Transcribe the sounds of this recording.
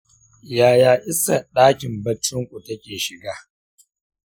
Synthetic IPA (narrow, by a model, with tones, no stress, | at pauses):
jaː˨jaː˦˨ʔɪ˦sa˨ɗaː˦kʲɪ˨mbɐ˦t͡ʃːʊ˦ŋkʷʼu˨tɐ˦kʲeː˨ʃɪ˨ɡaː˦